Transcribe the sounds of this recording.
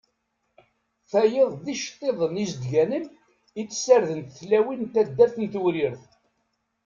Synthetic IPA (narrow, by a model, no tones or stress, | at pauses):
θæjeðˤðiʃt̪ˤːeðˤənisd̪ʝænən | it͡sːsəɾðənt̪θlæwint̪æd̪ːæθənt̪uɾɪɾθ